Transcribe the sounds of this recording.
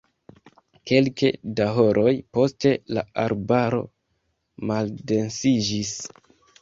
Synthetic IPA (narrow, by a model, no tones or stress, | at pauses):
ke̞lkedaɦo̞ɾʔo̞jpo̞ste̞la̰aɾbaɾo̞̰ | malde̞nsid͡ʒis